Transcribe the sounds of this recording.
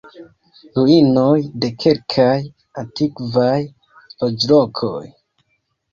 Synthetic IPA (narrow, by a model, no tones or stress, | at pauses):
luino̞jde̞kʰe̞lkʰaj | antikvaj | lod͡ʒlokʰo̰j